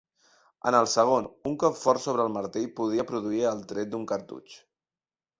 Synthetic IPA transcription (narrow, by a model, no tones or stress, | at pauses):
ə̰nəlˠsəɣ̞onuŋkɔpfɔɾsoβ̞ɾəlˠməɾt̪iʎpuðiəpɾuðuiəlˠt̪ɾɛt̪̚d̪uŋkəɾt̪ṵt͡ʃ